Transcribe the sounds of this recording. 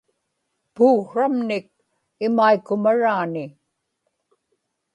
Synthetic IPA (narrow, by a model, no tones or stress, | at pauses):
puːxɻamnɪk̚ | ɪmaikːʊmaɻaːnɪ